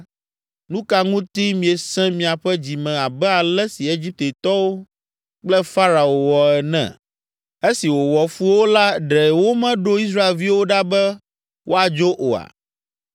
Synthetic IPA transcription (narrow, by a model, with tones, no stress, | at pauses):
nũ˦ka˦ŋũ˦t̪i˦mĩ˨e˨sɛ̃˦mĩ˨a˨ɸɛ˦d͡ʑi˨mɛ̃˨a˨bɛ˦a˨lɛ˦si˨e˦d͡ʑi˦p̚t̪e˨t̪ɔ˦wo˦ | k͡plɛ˦fa˦ɾa˨o˨wɔ˨ɛ˨nɛ̰̃˦˨ | e˦si˨wo˨wɔ˨fu˦wo˦la˦ɖɛ˨wo˦mɛ̃˦ɖo˦i˦s̬ɾa˦e˨lvi˦wo˦ɖa˦bɛ˦ | wʔo˦a˨d͡ʒo˦ʔo˨a̰˨